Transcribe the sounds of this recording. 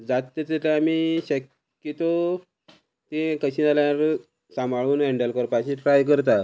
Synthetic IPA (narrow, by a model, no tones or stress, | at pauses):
d͡zat̪ːet̪et̪laamiɕəkː | it̪o | t̪ẽkəɕĩalaɾ | sãmʱaɭuːnɦɛɳɖəlkəɾpaɕiʈɾajkəɾt̪̬a